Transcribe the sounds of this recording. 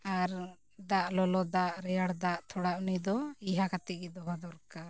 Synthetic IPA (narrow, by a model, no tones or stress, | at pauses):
aɾ | d̪aʔlɔlɔd̪aʔɾɛjaɽd̪aʔt̪ʰɔɽaʔunid̪ɔiɦakat̪iɡɛd̪ɔɦad̪ɔɾkaɾ